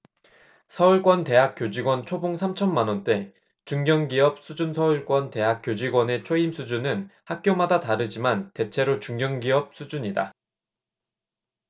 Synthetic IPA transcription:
sʰʌuɭk͈wʌnte̞ɦak̚k͈jod͡ʑiɡwʌnt͡ɕʰoboŋsʰamt͡ɕʰʌnmanwʌnt͈e̞ | t͡ɕuŋɡjʌŋɡiʌp̚s͈ʰud͡ʑunsʰʌuɭk͈wʌnte̞ɦak̚k͈jod͡ʑiɡwʌne̞t͡ɕʰoimsʰud͡ʑunɯnhak̚k͈jomadataɾɯd͡ʑimante̞t͡ɕʰe̞ɾot͡ɕuŋɡjʌŋɡiʌp̚s͈ud͡ʑuɲida

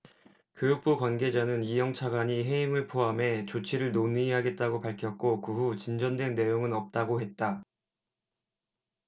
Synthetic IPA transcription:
kjojuk̚p͈ukwanɡe̞d͡ʑanɯnijʌŋt͡ɕʰaɡwaɲiɦe̞imɯɭpʰoɦame̞t͡ɕot͡ɕʰiɾɯɭnonɯiɦaɡe̞t̚t͈aɡopaɭkʰjʌk̚k͈okɯɦut͡ɕind͡ʑʌndwe̞nːe̞joŋɯnʌp̚t͈aɡoɦe̞t̚t͈a

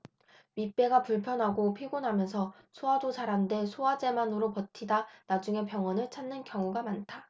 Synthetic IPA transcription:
ɥip͈ːe̞ɡapuɭpʰjʌnɦaɡopʰiɡonɦamjʌnsʰʌ | sʰoadod͡ʑaɾɦande̞sʰoad͡ʑe̞manɯɾopʌtʰidanad͡ʑuŋe̞pjʌŋʌnɯɭt͡ɕʰanːɯnkjʌŋuɡamantʰa

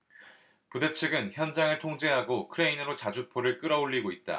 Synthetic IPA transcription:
pude̞t͡ɕʰɯɡɯnçjʌnd͡ʑaŋɯɭtʰoŋd͡ʑe̞ɦaɡokʰɯɾeinɯɾot͡ɕad͡ʑuk̚pʰoɾɯɭk͈ɯɾʌoɭːiɡoit̚t͈a̰

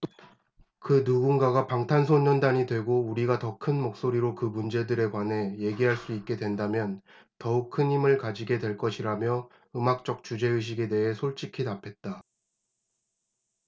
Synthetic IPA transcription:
kɯnuɡunɡaɡapaŋtʰansʰoɲʌndaɲidwe̞ɡouɾiɡatʌkʰɯnmok̚s͈oɾiɾokɯmund͡ʑe̞dɯɾe̞kwanɦe̞je̞ɡiɦaɭs͈uik̚k͈e̞dwe̞ndamjʌn | tʌuk̚kʰɯnimɯɭkad͡ʑiɡe̞dwe̞ɭk͈ʌɕʰiɾamjʌ | ɯmak̚t͡ɕ͈ʌk̚t͡ɕud͡ʑe̞ɯɕ̬ʰiɡe̞de̞ɦe̞sʰoɭt͡ɕ͈ikʰitapʰe̞t̚t͈a

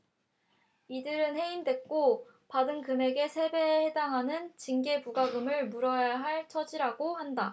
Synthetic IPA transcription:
idɯɾɯnhe̞indwe̞k̚k͈o | padɯnkɯme̞ɡe̞sʰe̞be̞he̞daŋɦanɯnt͡ɕiŋɡe̞puɡaɡɯmɯɭmuɾʌjaɦaɭt͡ɕʰʌd͡ʑiɾaɡohanda

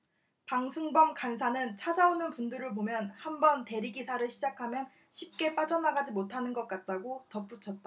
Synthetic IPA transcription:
paŋsʰɯŋbʌŋkansʰanɯnt͡ɕʰad͡ʑaonɯnpunduɾɯɭp̬omjʌnhambʌnte̞ɾiɡisʰaɾɯɭɕʰid͡ʑakʰamjʌn | ɕʰip̚k͈e̞p͈ad͡ʑʌnaɡad͡ʑimotʰanɯnɡʌk͈at̚t͈aɡotʌp͈ut͡ɕʰʌt̚t͈a

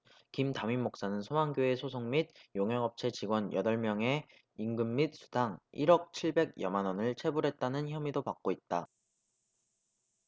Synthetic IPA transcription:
kimtamimːok̚s͈anɯnsʰomaŋɡjoesʰosʰoŋmid̚joŋɦʌŋʌp̚t͡ɕʰe̞t͡ɕiɡwʌnjʌdʌɭmjʌŋe̞ | iŋɡɯmːit̚s͈ʰu̥daŋiɾʌk̚t͡ɕʰiɭbe̞ɡjʌmanʌnɯɭt͡ɕʰe̞buɾɦe̞t̚t͈anɯnçjʌmidopak̚k͈oit̚t͈a

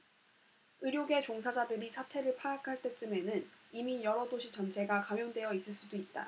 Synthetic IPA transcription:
ɯɾjoɡe̞t͡ɕoŋsʰad͡ʑadɯɾisʰatʰe̞ɾɯɭpʰaakʰaɭt͈e̞t͡ɕ͈ɯme̞nɯnimijʌɾʌdoɕʰit͡ɕʌnt͡ɕʰe̞ɡakamjondwe̞jʌis͈ɯɭs͈udoit̚t͈a̰

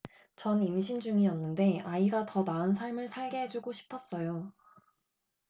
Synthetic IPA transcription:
t͡ɕʌnimɕʰind͡ʑuŋiʌnːɯnde̞aiɡatʌnaɯns̬ʰaɭmɯɭsʰaɭɡeɦed͡ʑuɡoɕʰi̥pʰʌs͈ʌjo

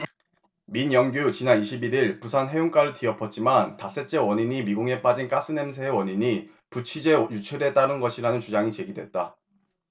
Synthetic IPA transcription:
miɲjʌŋɡjut͡ɕinaniɕʰibiɾiɭpusʰanɦe̞juŋk͈aɾɯɭtiʌpʰʌt̚t͡ɕ͈imantas͈e̞t͡ɕ͈e̞wʌɲiɲimiɡuŋe̞p͈ad͡ʑink͈as͈ʰɯne̞msʰeːwʌɲiɲi | put͡ɕʰid͡ʑe̞jut͡ɕʰɯɾe̞t͈aɾɯnɡʌɕʰiɾanɯnt͡ɕud͡ʑaŋit͡ɕe̞ɡidwe̞t̚t͈a

